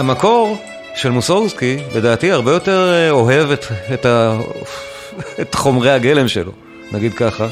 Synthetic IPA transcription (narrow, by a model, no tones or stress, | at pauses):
hamako̞ʁ | ʃelmusouskile̞daːtiaʁbejo̞te̞ʁo̞ɦe̞veteta | etχo̞mʁejhaɡe̞le̞mʃelo̞̰ | naɡid̪̚kaχa